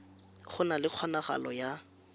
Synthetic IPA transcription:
χʊnalɪq͡χʰwɔnaχa̰lɔja

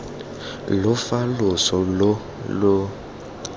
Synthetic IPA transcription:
lʊfalʊsɔlo | lʊ

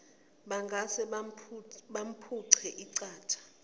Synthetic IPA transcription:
ɓaŋɡʱasɛ | ɓam̩pʰuǀʰɛʔiǀaːtʰḁ

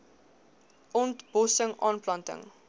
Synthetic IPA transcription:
ɔntb̥ɔsəŋʔɑ̰ːnplɐntə̰ŋ

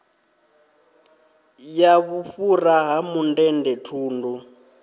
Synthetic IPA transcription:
jaβuɸuraɦamundɛndɛtʰuːndu

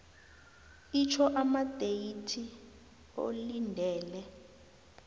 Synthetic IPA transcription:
it͡ʃʰɔʔamad̥ʱejitʰi | o̰lindʱɛːlɛ

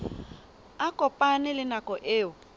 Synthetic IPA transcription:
akʼɔpʼanɪlɪnakʼɔʔɪːʊ

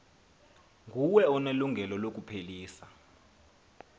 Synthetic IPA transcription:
ŋʱuwɛɔneluŋɡʱɛlɔlok̬ʼupʰeliːsa

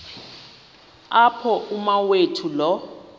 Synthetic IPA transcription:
apʰɔʔumawetʰulɔ

